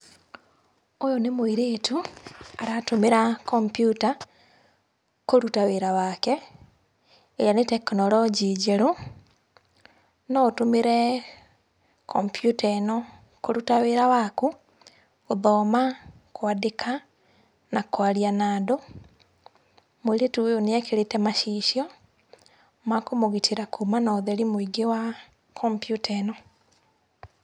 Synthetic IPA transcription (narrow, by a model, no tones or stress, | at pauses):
ojonemoiɾeːtuaɾatumeɾakompjuta | koɾutaweɾawake | ejaneteknolɔɟiɟeɾo | notumeɾe | kʰompjuteno | koɾutaweɾawaku | oðɔːma | koadekʰa | nakwaɾianaːdo | moiɾetujoneɛkeɾetɛmaʃiːʃjɔ | makomoɣitʰiɾakʰumanaoðɛɾimoiɡewa | kʰɔmpjutɛnɔ